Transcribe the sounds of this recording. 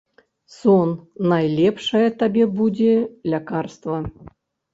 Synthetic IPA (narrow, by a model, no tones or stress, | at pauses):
sɔnːajlʲɛpʂɐjɐt̪abʲɛbud͡zʲɛlʲakarst̪vɐ